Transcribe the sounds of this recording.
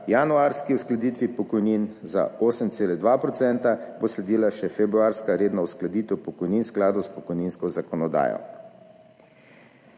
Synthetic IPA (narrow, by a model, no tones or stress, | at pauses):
januaɾskiusklad̪it̪ʋipɔkɔjninza̰oːsəmt̪seːlɛd̪ʋapɾɔt̪sɛnt̪aboslɛd̪iːlaʃɛfɛbɾuaːɾskaɾeːd̪nɔwsklad̪iːt̪ɛwpɔkɔjninsklaːd̪ɔspɔkɔjninskɔzakɔnɔd̪a̰ːjɔ̰